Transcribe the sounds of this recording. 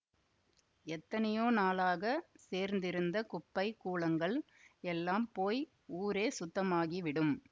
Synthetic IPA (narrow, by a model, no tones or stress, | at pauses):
ɛt̪ːɐnɐjoːnaːlaːɣɐseːɾnd̪ɪɾɯnd̪ɐkʊpːɐɪkːuːɭɐŋɡɐɭ | ɛlːaːmpoːj | uːɾeːsʊt̪ːɐmaːɣiʋɪɽɯm